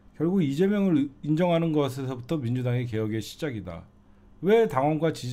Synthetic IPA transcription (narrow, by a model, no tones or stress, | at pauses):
kjʌɭɡuɡid͡ʑe̞mjʌŋɯɾind͡ʑʌŋɦanɯnɡʌsʰe̞sʰʌbutʰʌmind͡ʑudaŋek̬e̞jʌɡe̞ɕʰi̥d͡ʑaɡida̰ | we̞taŋwʌnɡwat͡ɕi